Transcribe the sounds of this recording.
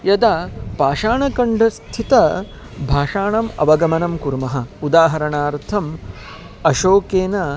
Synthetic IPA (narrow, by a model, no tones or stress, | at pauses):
jɐd̪apaːʃaːɳɐkɐɳɖʱɐst̪ʰit̪ɐ | bʱaːʂaːɳɐmɐ̰ʋɐɡɐmɐnɐmkuɾmɐɦɐud̪aːɦɐɾɐɳaːɾt̪ʰɐm | ɐʃoːkeːnɐ